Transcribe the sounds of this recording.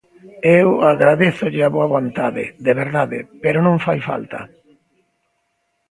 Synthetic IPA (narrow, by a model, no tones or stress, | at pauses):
ewaɣɾaðeθʊʎɪaβoaβont̪aðɪ̰ðeβeɾðaðɪ̰peɾonõŋfajfa̰lt̪ɐ̰